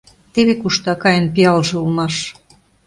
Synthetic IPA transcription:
t̪eβekuʃt̪ɑkɑjənpiɑlʒĕulmɑʃ

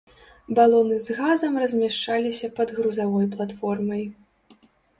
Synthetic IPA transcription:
balˠɔnɨzɣazɐmrɐzʲmʲaʂt͡ʂalʲisʲɐpɐd̪ɣɾuzavɔjplˠat̪fɔrmɐj

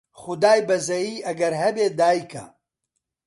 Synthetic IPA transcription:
χʊd̪aːjbɐzɐjiːʔɐɡɐɾɦɐbeːd̪aːjkɐ̰

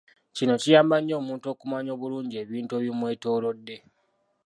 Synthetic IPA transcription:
cino̞cijaːmbaɲːo̞ːmuːnto̞ːkumaɲo̞ːβuluːɲɟe̞ːβiːntue̞βjomwe̞ːto̞ːlo̞dːe̞

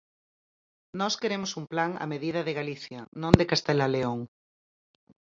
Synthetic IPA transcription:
nɔskeɾemosumplaŋa̰meðiðɐðeɣaliθjɐnõnd̪ekast̪elaleoŋ

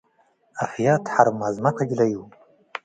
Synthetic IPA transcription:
afjatʰħaɾmazmaqʷʰaɡʲlaju

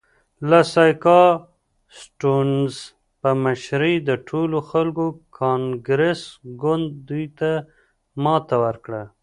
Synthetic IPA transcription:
lasɑjkɑ | sʈunz | pəmaʃɾid̪əʈʰoloxalkokʰɑŋɡɾesɡʊnd̪ːujt̪a | mɑt̪awəɾkɽa

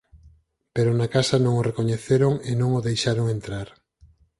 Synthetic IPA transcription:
peɾonakasɐnõŋorekoɲeθeɾoŋenõŋoðejʃaɾoŋent̪ɾaɾ

